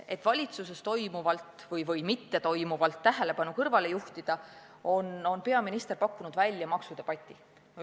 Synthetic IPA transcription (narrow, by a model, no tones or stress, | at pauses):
et̪ːvɑlʲit̪suse̞st̪o̞jmuvɑlt̪ːˑ | vɤjvɤjmit̪ːe̞t̪o̞jmuvɑlt̪ːæɦe̞le̞pɑnukɤrvɑle̞juht̪id̪̥ɑ | o̞no̞npe̞ɑminist̪e̞rpɑkːunud̪̥vælʲjɑmɑksud̪̥epɑt̪ʲːˑi